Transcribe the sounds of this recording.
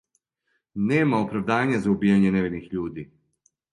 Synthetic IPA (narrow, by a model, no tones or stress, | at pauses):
neːmaopɾaʋd̪aːɲazaubiːjaɲeneʋed̪nixʎuːd̪i